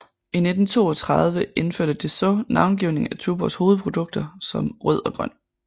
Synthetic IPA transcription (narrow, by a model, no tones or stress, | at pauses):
ine̝d̥n̩t͡sʰo̝̰ːɒ̽t͡sʰʁɑð̞ˠʋəe̝nføɐ̰d̥əd̥esɒnɑ̈ʊnɡ̥iʊne̝ŋ̩æt͡sʰuːb̥ɒsho̝ːð̩ˠpʰʁo̝d̥ɔ̽ɡ̥̚d̥ɐsɒ̽mʁœð̞̰ˠɒ̽ɡ̥ʁɶ̰n̰